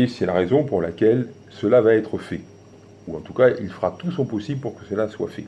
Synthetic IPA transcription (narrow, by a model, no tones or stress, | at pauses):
esɛlaʁezɔ̃puʁlakʲɛl | səlavaɛt̪χəfɛ | uɑ̃t̪ukailfəʁat̪usɔ̃pɔsiblpuʁkəsəlaswa̰fɛ̰